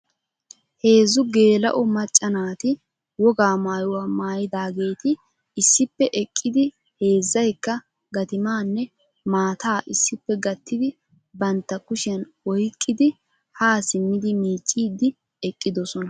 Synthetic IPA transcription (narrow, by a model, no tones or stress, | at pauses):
he̞ːzʊɡe̞ːlɐ̰ʔɔmɐt͡ʃʼːɐnaːt̪ɪ | wɔɡaːmaːjʊwaːmaːjɪd̪aːɡe̞ːt̪ɪ | ɪsːɪpːɛʔɛkʼːɪd̪ɪ | he̞ːzːɐjkːɐ | ɡɐt̪ɪmaːnːɛ | maːt̪aːʔɪsːɪpːɛɡɐt̪ʰːɪd̪ɪ | bɐnt̪ːɐkʊʃɐnwɔjkʼːɪd̪ɪ | haːsɪmːɪd̪ɪmiːt͡ʃʼːiːd̪ːɪ | ɛkʼːɪd̪ɔsɔnɐ